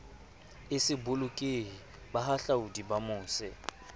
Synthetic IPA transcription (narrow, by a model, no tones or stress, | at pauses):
ɪsɪbʊlʊkʼeɦi | baɦaɬaudibamʊːsɛ